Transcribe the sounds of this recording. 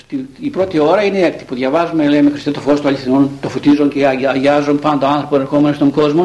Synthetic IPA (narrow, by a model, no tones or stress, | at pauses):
st̪iːpɾo̞t̪io̞ɾɐineekt̪i̥puðʝɐvɐzumelejmexɾist̪et̪ofost̪uɐlʲiθinunt̪ofot̪izonceɐʝɐzonpɐnot̪oɐnθɾo̞poeneɾxo̞menost̪o̞ŋɡo̞zmo